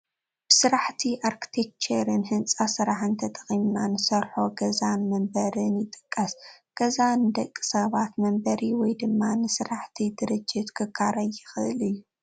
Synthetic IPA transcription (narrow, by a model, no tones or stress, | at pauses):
b̥ɨsɨɾaħt̪ʰiʔaɾkʰi̥t̪ʰek̚t͡ʃʰɐɾɨnhɨnsʼasɨɾaħɨnt̪ʰɐt̪ʼɐ̥χʼimnanɨsɐɾħo̞ɡɐzanmɐmbɐɾɨnjɪt̪ʼɨ̥kʼːɐsɡ̥ɐzand̪ɐkʼːi̥sɐβat̪mɐmbɐɾiwɔjd̪ɨmːanɨsɨɾaħt̪ʰid̪ɨɾɨd͡ʒːɪt̪kʰɨkʰːaɾɐjːɪxɨʔɨlɨjːu